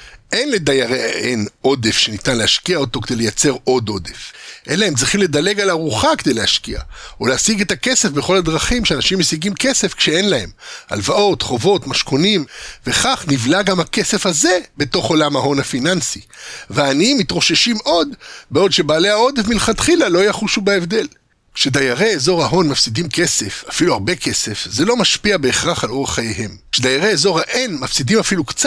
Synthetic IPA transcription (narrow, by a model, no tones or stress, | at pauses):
ʔenledajaʁeeno̞de̞fʃe̞nitanlehaʃkiaoto̞k̬ed̪e̞jlejat͡se̞ʁo̞d̪o̞de̞fʔe̞nlaemt͡sʁiχimle̞d̪ale̞ɡalaʁuχaked̪ejleaʃkia̰oleasiɡe̞t̪ake̞se̞fbeχo̞lad̪ʁaχimʃeanaʃimːesiɡimke̞se̞fkʃee̞nlae̞ma̰lvaʔo̞tχo̞vo̞tmaʃko̞nimve̞χaχnivlaɡamhake̞se̞fhaze̞be̞to̞χo̞lamaɦo̞nhafinansiveaːniimːit̪ʁo̞ʃeʃimʔo̞d̪beo̞dʃe̞baːle̞ao̞d̪evmilχat̪χilalo̞ajaχuʃubaevd̪e̞l | kʃed̪ajaʁeezo̞ʁhaɦo̞nmafsidimke̞se̞fafiluaʁbe̞kʰe̞se̞fzelo̞maʃpiabe̞eχʁaχalo̞ʁaχajeɦe̞mkʃed̪ajaʁeezo̞ʁhaʔenmafsidimafilukt͡s